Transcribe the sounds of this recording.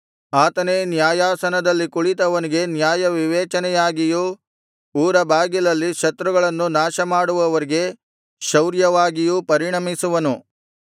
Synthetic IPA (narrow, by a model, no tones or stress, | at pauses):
aːt̪ɐneːnjaːjaːsɐnɐd̪ɐlːikuɭit̪ɐʋɐniɡe̞njaːjɐʋiʋɛːt͡ʃɐnɛjaːɡiju | uːɾɐbʱaːɡilɐlːiʃɐt̪ɾuɡɐɭɐnːunaːʃɐmaːɽuʋɐʋɐɾiɡe̞ | ʃɐwɾjɐʋaːɡijupɐɾiɳɐmisuʋɐnu